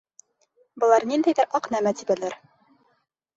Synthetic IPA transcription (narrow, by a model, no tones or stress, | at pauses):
bɤ̆lˠɑɾnind̪æjðɘɾʔɑqnæmæt̪ibælæɾ